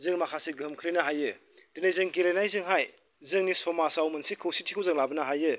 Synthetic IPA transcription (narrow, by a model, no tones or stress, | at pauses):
zɯŋmakʰaseɡɯmkʰlinɐɦajɯ | d̥enajzɯŋɡilenajzɯŋɦaj | zɯŋnisɔmasawmɯnsikʰɯwsitʰikʰɯwzɯŋlabɐnɐɦajɯ